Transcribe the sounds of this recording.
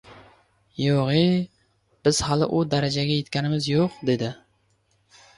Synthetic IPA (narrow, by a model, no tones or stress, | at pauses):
joʁi | b̥ɪz̥hɑlˠɪʔʊd̪æɾad͡ʒaɡʲajet̪kʲʰanɪmɪzjoqd̪ed̪ɪ